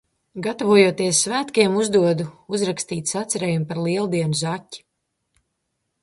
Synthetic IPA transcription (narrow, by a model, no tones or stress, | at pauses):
ɡat̪avuɔjuɔt̪iɛsːvæːt̪kiɛmuzd̪uɔd̪uuzɾakst̪iːt̪sat̪sɛɾeːjumpaɾlˠiɛlˠd̪iɛnuzacʲːi̥